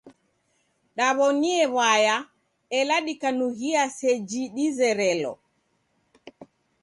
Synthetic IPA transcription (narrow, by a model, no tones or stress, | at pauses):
ɗaβɔniɛβaja | ɛlaɗikanuɣiasɛd͡ʒiɗizɛɾɛlɔ̰